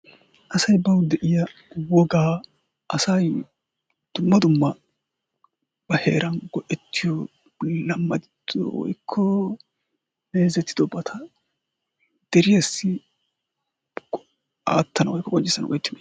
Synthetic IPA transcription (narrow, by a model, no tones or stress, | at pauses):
ʔɐsɐjbɐwd̪ɛʔɪjɐwɔɡaː | ʔɐsɐj | d̪̥ʊmːɐd̪ʊmːɐ | b̥ɐhḛːɾʔɐnɡɔʔɛt̪ʰːɪjɔ | lɐmːɐd̪ɪd̪ɔ̰wɔ̰jkʰːɔ | meːzɛt̪ːɪ̥d̪ɔbɐt̪ʰɐ | d̪̥ɛɾɪjɐsːɪ | aːt̪ʰːɐnɐwɔjkːɔkʼɔnt͡ʃːɪsːɐnɐ̰wɔ̰jɛt̪ːɪm